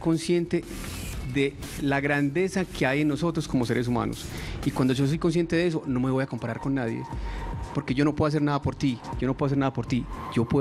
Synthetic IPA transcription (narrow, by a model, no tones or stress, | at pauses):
ko̞nsje̞nt̪e̞ | ðelaɣɾand̪e̞sake̞aje̞nːo̞so̞t̪ɾosko̞mo̞se̞ɾes̬uma̰no̰sikwand̪oʝo̞s̬o̞jko̞ns̬jent̪e̞ðees̬o̞no̞me̞βo̞jako̞mpaɾaɾko̞nːaðjḛpo̞ɾke̞ʝo̞no̞p̬weas̬eɾnaðapo̞ɾt̪iɟ͡ʝonopweasenaðapo̞ɾt̪id͡ʒo̞pwe